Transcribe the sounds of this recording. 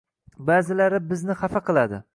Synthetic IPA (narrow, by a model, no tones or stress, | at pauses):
bazɪlaɾɪbɪznɪχafaqʰɨlˠad̪ɪ̰